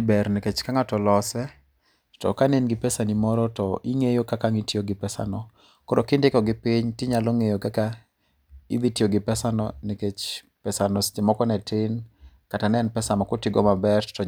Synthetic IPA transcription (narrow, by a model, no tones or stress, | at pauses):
bɛɾnɛket͡ʃkaŋatɔlɔsɛ | tɔ̰kanenɡɪpɛsanimɔɾɔtɔiŋejokakaŋitjoɡɪpɛsa̰nɔ | kɔɾokɪndɪkɔɡɪpɪɲtɪɲalɔŋejokaka | ḭðitioɡɪpɛsanɔneket͡ʃ | pɛsanɔst͡ʃɪmɔkɔnɛtɪn | katanɛnpɛsamakʊtɪɡɔ̰mabɛrtɔ